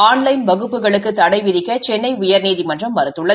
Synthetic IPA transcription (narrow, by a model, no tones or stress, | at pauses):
aːnlɐɪnbɐɣɯpːɯɣɐɭɯkːɯt̪ːɐɽɐɪʋɪðɪkːɐt͡ʃɛnːɐɪʊjɐɾniːðimɐndrɐmːɐɾɯt̪ːɯɭːɐ